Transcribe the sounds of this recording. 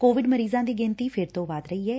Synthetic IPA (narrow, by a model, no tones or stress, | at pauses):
koːʋɪɖməɾiːzãːd̪iːɡɪ̃nt̪iːfʰɪɾt̪õːʋaːd̪ɾəiːɦɛː